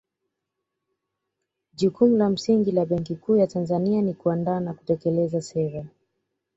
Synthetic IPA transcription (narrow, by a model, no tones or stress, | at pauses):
ʄukumulam̩siŋɡilaɓɛŋkikujatanzanianikuandaːnaku̥tɛkɛlɛzasɛɾa